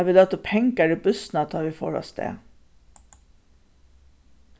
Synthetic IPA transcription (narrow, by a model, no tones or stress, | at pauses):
ʋɪːlɛt̪opʰɛŋkæɖebʉsn̩ɑt̪ʰɑːʋifo̰ːɾɔ̰st̪ʰḛː